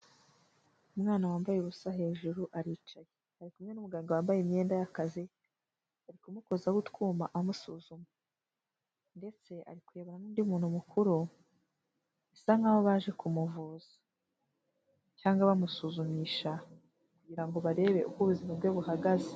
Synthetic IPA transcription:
umŋaːnawaːmbajeβusaɦe̞ːʒuɾuʔaɾiːt͡ʃajehaɾikumɲe̞numuɡaːŋɡawaːmbajemɲe̞ːndajakazi | aɾikumuko̞zaɡutkuːmaʔamusuːzuma | nde̞t͡se̞a̰ɾikuɾe̞ːβoɾanuːndiumuːnhumukʰuɾu | isaŋ̥aːβo̞βaːʒe̞kumuvuːz̥ḁ | caːŋɡaβamusuzumiːʃa | kuɟiɾaŋɡo̞βaɾe̞ːβe̞̰ʔukɡuβuzimabɡeβuhaɡaze

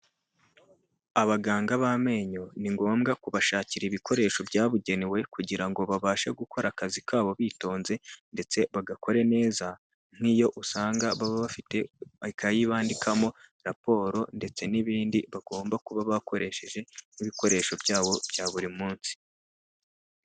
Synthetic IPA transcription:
aβaɡaːŋɡaβame̞ːɲo̞niŋɡo̞ːmɡakuβaʃaːciɾiβikʰo̞ɾe̞ːʃo̞bɟaːβuɟe̞niwe̞kuɟiɾaŋɡo̞βaβaːʃaɡukʰo̞ɾakazikaːβo̞βiːto̞ːnze̞nde̞t͡se̞βaɡako̞ɾe̞ne̞ːza | n̥hijo̞ʔusaːŋɡaβaβaβafite̞kʰajiβaːndikʰamo̞ɾapo̞ːɾo̞nde̞t͡se̞niβiːndiβaɡ̥o̞ːmbakuβaβakʰo̞ɾʔe̞ʃe̞ʒe̞niβiko̞ɾe̞ːʃo̞bjaːβo̞b̥jaβuɾimuːnsi̥

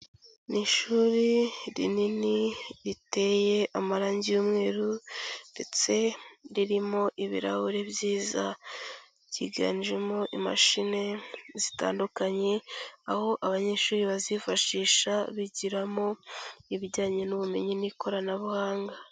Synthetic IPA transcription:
niʃuːɾiɾḭniniɾite̞ːje̞ʔamaɾaːɲɟijuːmŋe̞ːɾunde̞t͡se̞ɾiɾimo̞ʔiβḭɾa̰huɾe̞bjiːza̰ | ɟḭɡa̰ːnd͡ʒemo̞ʔima̰ʃine̞zita̰ːndukaɲe̞aho̞ʔaβaɲe̞ːʃuːɾiβazifaʃiːʃaβiɟiɾamo̞iβiɟaːɲenuβume̞̰ɲiniko̞ɾanaβuhaːŋɡa

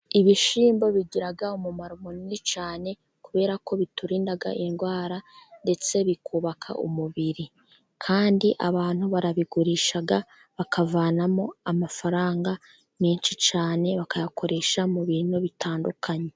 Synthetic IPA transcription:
iβiʃiːmbo̞βiɟiɾaɡaumumaɾumuninit͡ʃaːne̞ | kuβe̞ːɾako̞βituɾiːndaɡa̰ʔiŋɡwaːɾande̞t͡se̞βikʰuβakʰa̰ʔṵmuβiɾi | kʰaːndiʔa̰βaːn̥huβaɾaβiɡuɾiʃaɡa | βakavaːnamo̞amafaɾaːŋɡa | meːnʃit͡ʃaːne̞βakajakʰo̞ɾe̞ʃamuβiːnoβitaːndukʰaɲe̞

